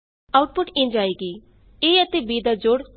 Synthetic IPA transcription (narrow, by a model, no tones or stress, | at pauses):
aʊʈ̚pʊʈĩnd͡ʒaːeːɡiː | eːət̪ebiːd̪ad͡ʒoːɽ